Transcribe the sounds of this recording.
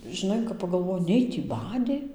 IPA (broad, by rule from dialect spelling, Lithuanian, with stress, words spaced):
ʒʲɪˈnɐɪ kɐp pɐɡɐlˠˈʋoːjɪ ˈnʲɛɪ tʲiː ˈbɑːdʲeː